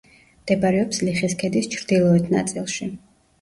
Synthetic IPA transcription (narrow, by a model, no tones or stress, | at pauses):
md̪̥ɛbaɾɛɔpsliχiskʰɛd̪ist͡ʃʰɾd̪ilˠɔɛt̪ʰna̰t̪sʼilˠʃi